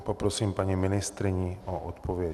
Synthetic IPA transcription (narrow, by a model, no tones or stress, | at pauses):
popɾosiːmpaɲimɪnɪst̪ɾɪɲioʔot̪pʰovɪɛ